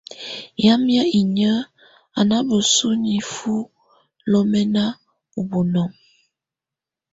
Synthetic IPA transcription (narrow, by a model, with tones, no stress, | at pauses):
ja˦mja˦i˨ɲə˦ | a˨na˦bo˨su˦ni˨fu˦ | lɔ˦mɛ˦na˦ | u˨bu˨nɔ˨ŋ